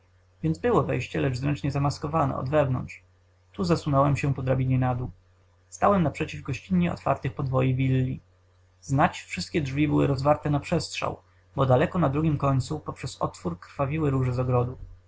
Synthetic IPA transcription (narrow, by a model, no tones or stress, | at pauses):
vʲjɛnd̪zbɘwɔvɛ̰jɕt͡ɕɛlɛʐzɾɛnt͡ʂɲɛzamaskɔvanɛ̰ɔ̰d̪vɛvnɔ̰ntʂ | t̪uzasunɔwɛmɕɛpɔd̪ɾabʲiɲɛnad̪u | st̪awɛmnapʂɛt͡ɕivɡɔɕt͡ɕiɲɲɛɔ̰t̪fa̰ɾt̪ɘxpɔd̪vɔjivʲilːi | znat͡ɕfʂɘst̪kʲɛdʐvʲibɘwɘ̰ɾɔzvaɾt̪ɛnapʂɛstʂa̰w | bɔd̪alɛkɔnad̪ɾuɡʲimkɔɲt̪supɔpʂɛsɔ̰t̪fuɾkɾfavʲiwɘɾuʐɛzɔɡɾɔd̪u